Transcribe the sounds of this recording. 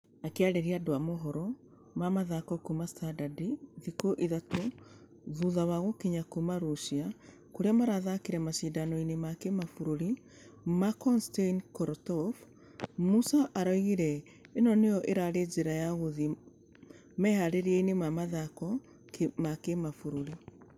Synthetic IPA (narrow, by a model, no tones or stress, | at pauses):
akeaɾeɾiadoamoɦɔɾɔ | mamaðakɔkumastadadiðikoʔiðato | ðuðawaɣokiɲakumaɾoʃia | koɾeamaɾaðakiɾɛmaʃiːdanɔinemakemafoɾoɾi | makɔnsteinkɔɾtɔf | musaʔaɾɔiɣiɾɛ | enɔnejɔʔeɾaɾed͡ʒeɾajaɣoði | mɛhaɾeɾieinemamaðakɔ | kmakemafoɾoɾi